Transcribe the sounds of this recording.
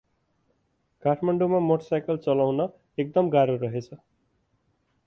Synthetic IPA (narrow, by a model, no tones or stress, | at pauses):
kaʈʰmaɳɖumamoʈʌsajkʌlt͡sʌlawnʌ | ek̚d̪ʌmɡaɾoɾʌɦet͡sʰʌ